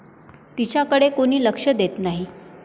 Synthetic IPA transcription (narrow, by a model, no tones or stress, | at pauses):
t̪it͡ɕjakəɽekoɽ̃iːləkʂəd̪et̪naɦi